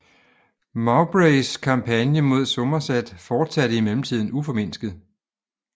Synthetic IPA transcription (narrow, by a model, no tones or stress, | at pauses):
mɑ̈ʊb̥ʁeɪskʰɑ̈mpʰænjəmo̝ð̞̰ˠsɔ̽mɐsæd̥fɒːd̥sæɾəimelm̩t͡sʰið̞̰ˠn̩ufɒ̽me̝n̰sɡ̥ð̩ˠ